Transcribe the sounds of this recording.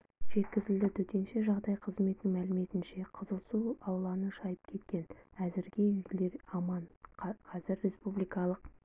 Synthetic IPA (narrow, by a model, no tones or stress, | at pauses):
ʒe̞t̪kʲɪzɪld̪ɪt̪ʰɵt̪e̞nʃe̞ʒɑʁd̪ɑjqʰəzme̞t̪nɪŋmælɪme̞t̪ɪnʃe̞qʰəzəlˠsuɑwlˠɑnəʃɑjəp̚kʲʰe̞t̪kʲe̞næzɪɾɡʲe̞ʏjɡʲɪle̞ɾɑmɑnqʰɑzɪɾːe̞spublikɑlˠəq̚